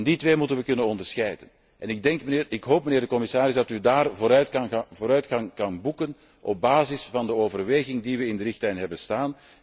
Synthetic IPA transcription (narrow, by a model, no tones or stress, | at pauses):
nditʋeːmutənʋəkɵnənɔndərsxɛjdə̰n | ɛnɪɡ̚dɛŋkəːɪkɦoːp̚məneːrdəkɔmɪsaːɾɪzdɑtydaːrvoːɾœɥtvoːɾœɥtxɑŋkɑnbukən | ʔɔb̚baːzɪsfɑndəoːvərʋeːɣɪŋdiʋəɪndəɾɪxtlɛjnɦɛbənstaːn